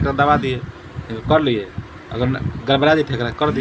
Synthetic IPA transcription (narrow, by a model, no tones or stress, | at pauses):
kɾanəβad̪ijɛ | ikəkəɾlijɛ | ə̰ɡəɾɡəlbɾad̪ipʰekɾakəɾd̪i